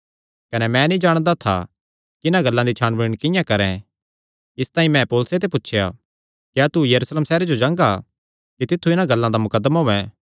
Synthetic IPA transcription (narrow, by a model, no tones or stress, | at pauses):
kɐnɛmɛ̃nĩd͡ʒaːɽ̃d̪at̪ʰa̰ | kɪnãɡɐlːãd̪it͡ʃʰaːnbɪɽɽ̃kɪ̃jãkɐɾɛ̃ | ɪst̪aːĩmɛ̃poːlset̪ep̬ʊtːʃʰja̰ | kjaːt̪ujɐɾuːsleːmsɛːɾed͡ʒod͡ʒãːŋɡa | kit̪ɪt̪ʰːuɪnãɡɐlːãd̪amʊkəd̪ːmaɦʊɛ̃